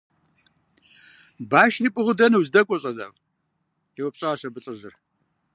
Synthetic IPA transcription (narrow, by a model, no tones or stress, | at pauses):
baːʃripʼɨʁɨdɐnɨwzdɐkʷʼɔɕʼɐda̰ːʁ | jɛwɐpɕʼaaɕɐbɨɬʼɨzɨr